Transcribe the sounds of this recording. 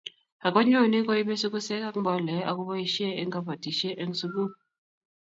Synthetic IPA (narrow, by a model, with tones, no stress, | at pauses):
ha˨kɔ˦ɲo˦˨ni˦ko˦i˦be˦su˦ku˦sɛ˦ka˦kbɔ˨lɛ˨˦a˨ku˦bɔ˦i˦ʃe˦e˦ŋɡa˦ba˨ti˨ʃe˦ʔe˦ŋ˦su˦ɡu˦